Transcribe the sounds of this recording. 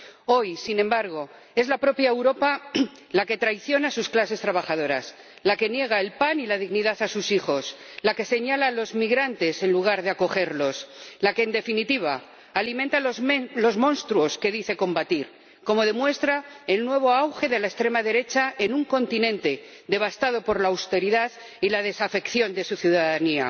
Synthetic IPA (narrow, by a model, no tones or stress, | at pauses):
o̞jsinẽmbaɾɣ̞o̞ | e̞zlapɾo̞pjaewɾo̞pa | lake̞t̪ɾajθjo̞nasusklase̞st̪ɾaβ̞axaðo̞ɾa̰s | lake̞nje̞ɣ̞aelpanilað̞iɣniðaθasusixo̞s | lake̞se̞ɲalalo̞zmiɣɾant̪e̞se̞nluɣ̞aɾðeako̞xe̞ɾlo̞slake̞ːnd̪e̞finit̪iβ̞a̰ː | limẽnt̪alo̞zmõ̞nst̪ɾuo̞ske̞ðiθe̞ko̞mbat̪iɾ | ko̞mo̞ðe̞mwe̞st̪ɾaelnwe̞β̞o̞awxe̞ðe̞laest̪ɾe̞maðe̞ɾe̞t͡ʃae̞nuŋko̞nt̪inẽ̞nt̪e̞ | d̪e̞β̞ast̪aðo̞po̞ɾlaːwst̪e̞ɾiðaθ | ilað̞e̞safe̞kθjo̞nd̪e̞suθjuðaðania̰